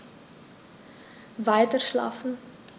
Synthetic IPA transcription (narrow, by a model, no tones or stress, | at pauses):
vɐɪtərʃlɑ̰ːfn̩